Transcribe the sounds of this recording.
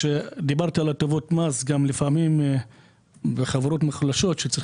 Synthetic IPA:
ʃed̪ibaʁtaːlatovo̞tmazɡamlifamim | beχaveɾo̞tmeχlaʃo̞tʃet͡si

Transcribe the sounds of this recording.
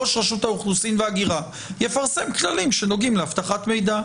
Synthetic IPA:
oʃʁaʃut̪hauχlusinveaɡiʁa | jefaʁse̞mklalimʃeno̞ɡimleaft̪aχat̪me̞jd̪a

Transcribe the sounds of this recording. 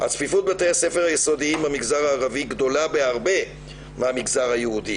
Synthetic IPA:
ha̰t͡sfifut̪̚batejse̞feʁajeso̞diimamiɡzaʁaːʁaviɡd̪o̞labeaʁbe̞ | meamiɡzaʁhajeud̪i

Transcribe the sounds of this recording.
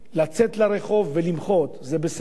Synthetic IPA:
lat͡set̪laɾeχo̞vːelimχo̞t̪zebes

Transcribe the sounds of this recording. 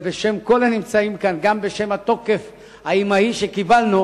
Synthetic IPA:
beʃe̞mkolanimt͡saimkanɡambe̞ʃe̞mat̪o̞ke̞f | haimaiʃekibalnu

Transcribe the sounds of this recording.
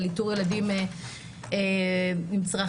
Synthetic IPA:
lituʁjeladime | emimt͡sʁa

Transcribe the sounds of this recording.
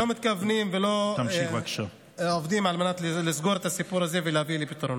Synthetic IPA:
omit̪kavnimvelo̞t̪mʃiakʃa | ovd̪imalmenat̪llizɡo̞ɾet̪asipuɾaze̞velehavilepit̪ɾon

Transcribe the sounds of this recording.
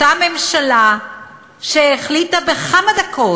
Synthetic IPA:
ame̞mʃala | ʃeeχlitabe̞χamad̪akʰo̞

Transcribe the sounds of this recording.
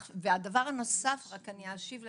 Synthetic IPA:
vead̪avaʁano̞safʁakaniaʃivl

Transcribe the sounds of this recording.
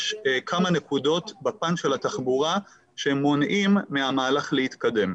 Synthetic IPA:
ʃkʰamane̞kudo̞t̪bapanʃe̞lat̪aχbuʁa | ʃemːonʔimːeamaːlaχlehit̪kade̞m

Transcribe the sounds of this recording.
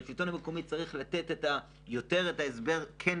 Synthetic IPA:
fitonhameko̞mit͡saʁiχlat̪e̞teta | jo̞te̞ʁetaesbe̞ʁkʰen

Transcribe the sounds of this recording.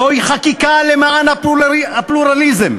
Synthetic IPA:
ojχakikalemaanaapluɾalizem

